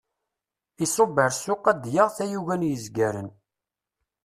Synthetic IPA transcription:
isobəɾsːʊqːæd̪jəʁθæjuʝænjəzɡæɾə̰n

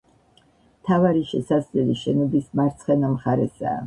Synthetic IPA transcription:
mt̪ʰavaɾiʃɛsaslɛliʃɛnɔbismaɾt̪sʰχɛnamχaɾɛsa̰ː

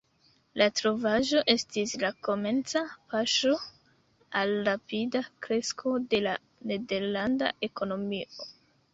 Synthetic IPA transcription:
latɾo̞vaʒo̞ʔe̞stislako̞me̞nt͡sapaʃo̞ | alɾapidakɾe̞skʰo̞de̞la | ne̞de̞ɾlanda̰ʔe̞ko̞no̞mio

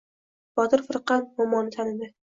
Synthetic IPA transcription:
b̥ɒt̪ʰɪɾfɨɾqɑnmɒmɒnːɪt̪ʰanɪd̪ɪ

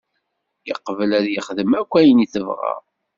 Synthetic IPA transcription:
jə̰qːəvəlæðjəχðəmækʷːæjəniθəvʁɑ̰

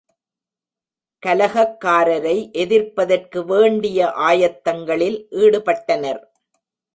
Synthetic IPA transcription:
kɐlɐɣɐkːaːɾɐɾɐɪʔɛðɪɾpɐðɐrkɯʋeːɳɖɪjɐʔaːjɐt̪ːɐŋɡɐɭɪlʔiːɽɯpɐʈːɐnɐɾ

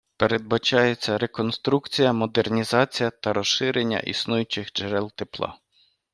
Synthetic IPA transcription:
peɾed̪̚bɐt͡ʃɑjet͡sʲːɐɾe̞kɔnst̪ɾukt͡sʲijɐmɔd̪ernʲizɑt͡sʲijɐt̪ɐɾɔʃʃɪɾenʲːɐ̰ʔḭsnujʊt͡ʃɪxd͡ʒeɾɛlˠt̪eplˠɑ̰

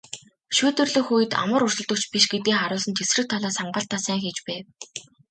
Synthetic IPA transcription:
ʃuːt̪ɵ̆rɮɵ̆xujɘ̆t̪a̰mə̆rɾʊrsɵ̆ɮt̪ə̆kt͡ɕpiʃɡet̪iːxaɾʊːsə̆nt̪ʰesrɘ̆k̚t̪ʰaɮaːsaɴɢə̆ɬt̪ʰːaːsæːŋxet͡ɕpæː

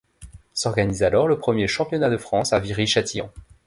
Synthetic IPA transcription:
sɔʁɡanizalɔʁləpχəmjeʃɑ̃pjɔnad̪əfχɑ̃saviʁiʃat̪iɑ̰̃

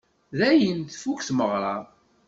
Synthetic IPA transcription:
ðæjənθfukθməʁɾˤɑ

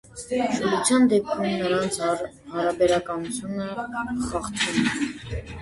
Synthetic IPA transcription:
ʃɔlut͡sʰjɑnd̪ɛp̚kʰumnəɾɑnt͡sʰ | hɑɾɑbɛɾɑkɑnut͡sʰjunəχɑχt̪ʰvum

